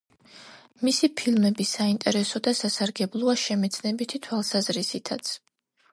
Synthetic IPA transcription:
misipʰilˠmɛbisaint̪ʼɛɾɛsɔd̪asasaɾɡɛblˠɔaʃɛmɛt̪sʰnɛbit̪ʰit̪ʰwalˠsazɾisit̪ʰat̪sʰ

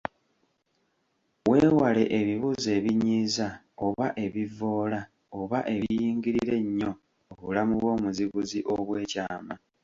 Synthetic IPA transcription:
we̞ːwale̞ʔeβiβuːze̞ːβiɲiːza | o̞βaʔe̞βivo̞ːla | oβaʔe̞βijiːŋɡiɾiɾe̞ɲːo̞ː | βulamuβwo̞ːmuziβuziʔo̞βwe̞ːcaːma

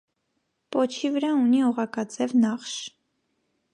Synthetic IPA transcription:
pɔt͡ʃʰivəɾɑuniɔʁɑkɑt͡sɛvnɑχʃ

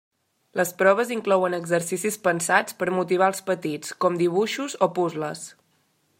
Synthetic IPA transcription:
ləspɾɔβ̞əziŋklɔwənəɡzəɾsisispənsat͡spəɾmut̪iβ̞aəlˠspət̪it͡skɔmd̪iβ̞uʃuzopuzləs

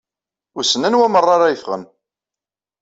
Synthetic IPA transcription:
ʊɾsənənwæmərˤːɑɾajəfʁə̰n

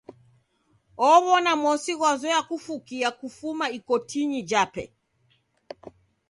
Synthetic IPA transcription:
ɔβɔnamɔsiɣwazɔjakufukiakufumaikɔtʰiɲid͡ʒapɛ̰

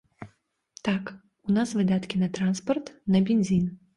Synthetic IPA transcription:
t̪ak | unasvɨd̪at̪kʲinɐt̪ɾanspɐrt̪nɐbʲenʲzʲin

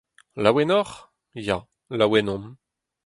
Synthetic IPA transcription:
lawɛnɔʁ | ja | lawɛnɔ̃m

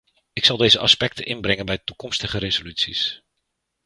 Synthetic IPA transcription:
ɪksɑlˠdejzəʔɑspɛk̚tənʔɪnbrɪŋənbɛjtukɔmstəχəɾezolytsis

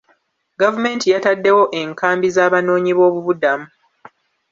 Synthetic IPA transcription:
ɡavume̞ːntijatadːe̞wo̞ʔe̞ŋkaːmbizaːβano̞ːɲiβo̞ːβuβudamu

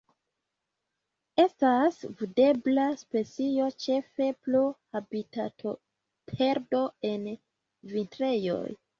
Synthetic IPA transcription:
e̞stasvide̞blaspe̞t͡sio̞t͡ʃe̞fe̞pluhabitatʰo̞ | pʰe̞ɾdo̞e̞n | vintɾe̞jo̞̰j

